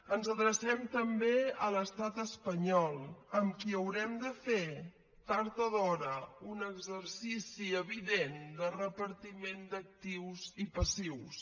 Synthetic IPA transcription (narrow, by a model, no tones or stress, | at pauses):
ənzəðɾəsɛmt̪əmbeələst̪at̪əspəɲɔlˠəmkiəwɾɛmd̪əfe | t̪aɾt̪əðɔɾəunəɡzəɾsisiəβiðend̪ərəpəɾt̪imend̪ək̚t̪iwzipəsiws